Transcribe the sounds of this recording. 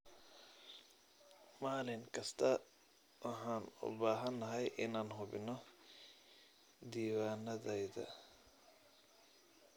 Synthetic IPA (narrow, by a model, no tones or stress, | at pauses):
maːlɪŋkʰɐst̪ʰɐ | wɐħaːnʊ̰baːɦɐnːɐɦɐjʔɪnaːnɦʊbɪ̰nːɔ | d̪iːwaːnɐðɛjðɐ̰